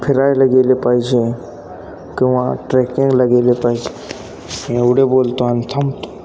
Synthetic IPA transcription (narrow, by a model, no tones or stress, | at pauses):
pʰɪɾaːjlɐɡeːlepaːid͡ʒẽ | kiʋãʈɾeːkɪ̃ŋɡlɐɡeːlepaːid͡ʒe | eʊɽeboːlt̪oant̪ʰɐmt̪o̥